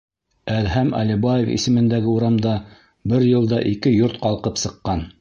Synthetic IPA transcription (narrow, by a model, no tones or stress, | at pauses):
æðɦæmʔɑ̰libɑjefḭsɘ̆mɘ̆nd̪æɡɘuɾɑmd̪ɑ | bɘɾjɤ̆lˠd̪ɑʔikɘjoɾt̪qɑlˠqɤpsɤ̆qːɑn